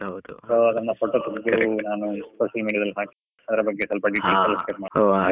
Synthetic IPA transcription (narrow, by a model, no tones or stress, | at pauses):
ɦɐwd̪usoːɐd̪ɐnːɐpʰoːʈoːt̪ɐɡɐd̪unaːnusoːʃɐlmiːɽiɐd̪ɐlːɦaːki̥ | ɐd̪ɐɾɐbɐɡːe̞sɐlpɐɖiːʈelsɐlskepmaːo